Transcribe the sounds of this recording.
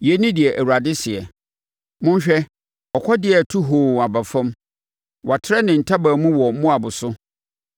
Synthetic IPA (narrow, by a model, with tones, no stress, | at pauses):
jɛ˨˦nĩ˦dɪ˨ɛ˨ʔæ˨wu˨ɾa˨dɪ˦sɪ˨ɛ˨ | mʊ̃˦n˦ɕᶣɛ˦ | ɔ˨kʷʰɔ˦dɪ˨˦ɛ˨tʰu˦ɦoː˨a˨ba˨fã˦m | wʔa˨tʰɪ˦ɾɛ˦nɪ̃˨n̩˨tʰa˦baː˨mũ˦wɔ˨˦mʊ̃˦a˨bʊ˨sʊ˦